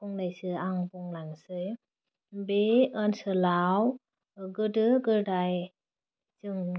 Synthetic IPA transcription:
uŋnajsɯaŋbuŋlaŋsɯj | beənsɯlaw | ɡɯdɯɡɯdaj | zɯŋ

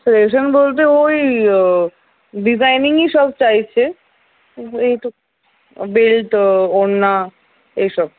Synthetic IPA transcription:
seleʃ̬onbolt̪eoj | ɖizajniŋiʃɔbt͡ɕajt͡ɕʰe | ejʈu | bilʈonːa | ejʃɔb

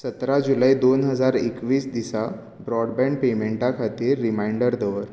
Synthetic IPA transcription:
sət̪ɾad͡ʑulaid̪onɦəd͡zaɾekʋiːsd̪isa | bɾɔɽbɛ̃ɳɖpemeɳʈakʰat̪iːɾːimaiɳɖəɾd̪əʋəɾ

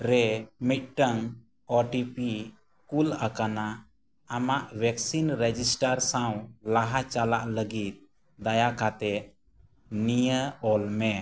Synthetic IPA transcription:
ɾɛmit̪̚ˀʈəŋ | ɔʈipi | kulakana | amaʔbɛksinɾɛd͡ʒisʈaɾsawlaɦat͡ʃalaʔləɡit̪̚ | d̪ajakat̪ɛʔ̪̚ | nijəɔlmɛ

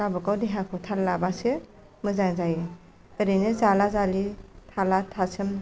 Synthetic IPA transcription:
kabɯkawdeɦakʰɔtʰalːabasɯ | mɯzaŋzajɯ | tɯɾɯjnɯzalazalitʰalatʰasʰɯm

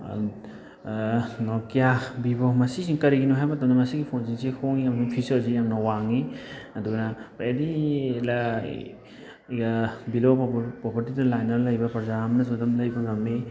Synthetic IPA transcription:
nɔkijabibɔmɐsisiŋkɐɾiɡinuɦajmɐtɐmnɐmɐsiɡipʰonsiŋsekʰoŋiɐmɐsuŋpʰisɔɾzijaŋnawaŋiɐduɡnapajadila | jɡabilopɾɔpʰɐɾtidɐlajnɐɾlɐjbɐpɐɾzaamnɐzdɐmlɐjbɐŋɐme

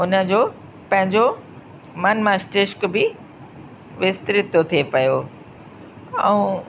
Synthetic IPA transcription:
ʊnəd͡ʑoː | pɐ̃ɦɪ̃ɲd͡ʑo | mɐnmãsʈɪʃkbɪ | ʋɪst̪ɾɪt̪ot̪ʰiepɐjo | ɐ̰ũ

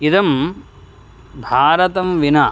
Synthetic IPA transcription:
id̪ɐm | bʱaːɾɐt̪ɐmʋinaː

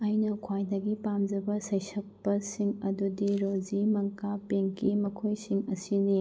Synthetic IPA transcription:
ɐjnɐkʰwajdɐɡipamd͡ʒɐbɐsɐjsɐk̚pɐsiŋɐdudiɾod͡ʒimɐŋkapeŋkʰimɐkʰojsiŋɐsini

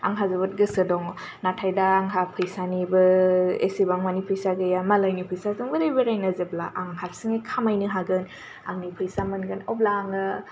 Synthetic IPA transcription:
a̰ŋɦazɯbɯt̚ɡɯsɯdɔŋɔ | natʰajdaːŋɦapʰɯjsanibɯḛsibaŋmanipʰɯjsaɡɯjamalajnipʰɯjsazɯŋbɯɾejbeɾajnazeblaʔaŋhap̚sɯŋekʰamajnɯɦaɡɯn | aŋnipʰɯjsamɯnɡɯnoblaːŋa

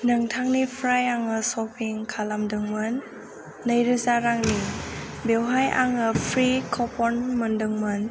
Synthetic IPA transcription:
nɯŋtʰaŋnipʰɾajaŋɯsɔpʰiŋkʰalamdɯŋmɯnː | əjɾɯzaɾaŋnibewɦajʔa̰ŋɯpʰɾikʰɔpʰɔnməndɯŋmɯn

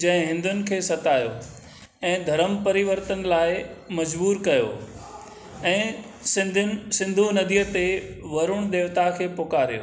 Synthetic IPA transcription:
d͡ʑɐ̃ɦɪ̃ɦɪ̃nd̪ʱʊnɪ̆kʰeːsɐt̪aːjo̰ | ɛ̃ːd̪ʱɐɾəmpɐɾɪʋəɾt̪ən̆laːɪmɐd͡ʑbuːɾkɐjo̰ː | ɛ̃ː | sɪsɪ̃nd̪ʱunɐd̪ijət̪eʋɐɾʊɽ̃d̪eːʋt̪akʰeːpoːkaːɾijo̰

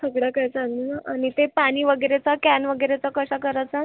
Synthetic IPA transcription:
səɡɽakəjt͡saŋɡunaʔaɽ̃it̪epaɽ̃iːʋəɡəɾet͡sakænʋəɡəɾet͡sakəɕakəɾat͡sa

